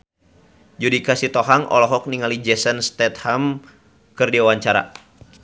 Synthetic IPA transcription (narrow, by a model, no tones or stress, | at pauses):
d͡ʒudikasit̪ɔɦaŋʔɔ̰lɔɦɔk̚niŋalid͡ʒɛsənst̪ɛt̪̚ham | kɨrdiawaɲt͡ʃaɾa̰